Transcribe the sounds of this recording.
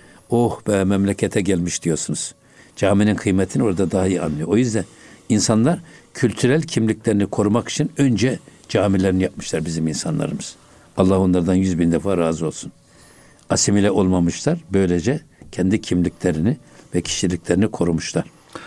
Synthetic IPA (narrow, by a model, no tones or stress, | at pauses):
ohbɛmɛmlʲɛcʰɛt̪ʰɛɟælʲmiʃd̪̥ijo̞ɾsunuz̥ | d͡ʒaːmininkʰɯjmɛt̪ʰino̞ɾad̪ad̪aɦahia̰nːˠɯjo̞ojyzd̪æninsanlˠaɾcʰylʲt̪ʰyɾælʲcʰimlʲiclʲeɾinikʰo̞ɾumaki̥t͡ʃʰinø̞nd͡ʒɛ | d͡ʒaːmilʲeɾinijap̚mɯʃlˠaɾbiziminsanlˠa̰ɾɯmɯz̥ | ɑlˠːaho̞nlˠaɾd̪anjyzbind̪ɛfaːɾaːzɯo̞lˠsun | asimilʲɛʔo̞lˠmamɯʃlˠaɾbø̞jlʲed͡ʒɛcʰɛnd̪icʰimlʲicʰʲlʲeɾinivɛcʰi̥ʃilʲicʲlʲɛɾinikʰo̞ɾumuʃlˠaɾ̥